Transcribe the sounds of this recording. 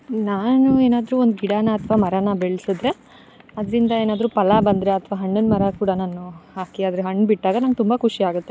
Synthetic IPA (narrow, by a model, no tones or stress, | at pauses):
naːnueːnaːd̪ɾuːond̪uɡiɽaːnɐːt̪ʰʋaːmɐɾanɐbeɭsud̪ɾe̞ | ɐd̪ɐɾind̪ɐeːnaːd̪ɐɾuːpɐlɐbɐnd̪ɾeɐt̪ʰɐʋaːɦɐɳːɐnmɐɾɐkuːɽɐnaːnuhaːkiaːd̪ɾeɦɐɳːbiʈːaːɡɐnaːŋɡt̪umbɐkʰuʂiaːɡut̪ːe